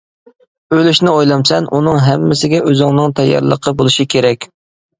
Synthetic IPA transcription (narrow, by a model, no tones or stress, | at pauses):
ølyʃnɪojlˠɑmsɛnʔunɨŋɦɛmːɪsɪɡʲɛʔøzɪŋnɨŋt̪ʰɛjːɑ̰ɾlˠəqʰəbolˠuʃikʲʰeɾɛkʲ